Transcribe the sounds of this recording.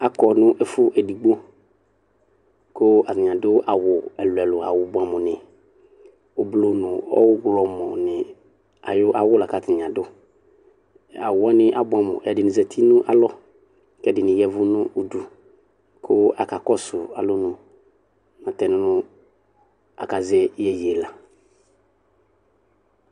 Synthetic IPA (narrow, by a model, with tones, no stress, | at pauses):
a˨kɔ˨nʊ̃˦ʔɛ˦fʊ˦ʔɛ˨di˨ɡ͡bo˦ | kʊ˦a˨tɪ˨ɲ˨ã˨dʊ˦ʔa˨wʊ˨ɛ˨lʊ˨ɛ˨lʊ˨a̰˨wʊ˨bʊ˨a˨mʊ̃˨nɪ̃˨ | ʊ˨blo˨nʊ̃˨ɔ̰˦wʊ˦ɡɾɔ˨mɔ̃˨nɪ˨ | a̰˨jʊ˦ʔa˨wʊ˦la˨ka˨tɪ˨ɲ˨ã˨dʊ˦ | a˨wʊ˨˦ɔ˦nɪ̃˦ʔa˨bʊ˦a˨mʊ̰˨ʔɛ˨dɪ˨nɪ̃˨zɛ˨tʰi˦nʊ̃˦ʔa̰˨lɔ˦ | kɛ˦dɪ˨nɪ̃˨jɛ˦vʊ˦nʊ̃˦u˨du˨ | kʰʊ˦a˨ka˨kɔ˦sʊ˨a˨lʊ˦nʊ̃˨ | nã˨tɛ˨nʊ̃˦nʊ̃˦ | a̰˨ka˨zɛ˦jɛ˨ji˨e˨la˨